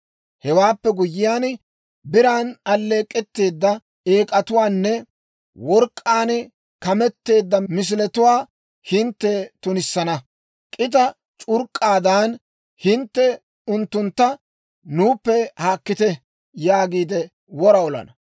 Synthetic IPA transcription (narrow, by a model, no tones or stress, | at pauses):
hɛwaːpːɛɡʊjːɪjaːn | bɪɾaːnɐlːe̞ːkʼːɛt̪ːe̞ːd̪ːɐ | eːkʼɐt̪ʊwaːnːɛ | wɔɾkʼːaːn | kɐmɛt̪ːe̞ːd̪ːɐmɪs̬ɪlɛt̪ʊwaː | hɪnt̪ːɛt̪ʊnɪsːɐnɐ | kʼɪt̪̬ɐ | t͡ʃʼʊɾkʼːaːd̪aːn | hɪnt̪ːɛ | ʊnt̪ːʊnt̪ːɐ | nuːpːɛhaːkːɪt̪ɛ | jaːɡiːd̪ɛ | wɔɾɐɔlɐ̰nɐ